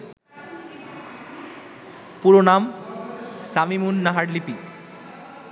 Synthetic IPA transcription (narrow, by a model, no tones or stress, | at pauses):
puɾonam | samimunːaɦaɽlipi